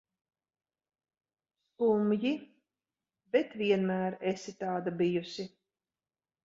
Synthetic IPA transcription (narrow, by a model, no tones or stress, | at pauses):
skumji | bɛt̪viɛnmæːɾesit̪ɑːd̪abijusi